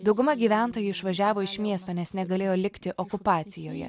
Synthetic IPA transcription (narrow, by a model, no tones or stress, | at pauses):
d̪ɒʊɡʊmɐɡʲiːʋʲæˑnˑt̪oːjʊɪʃʋɐʒʲæːʋoːɪʃmʲiɛst̪oːnʲɛsnʲɛɡɐlʲeːjoːlʲɪkt̪ʲɪʔɔkʊpɑːt̪sʲɪjoːjɛ̰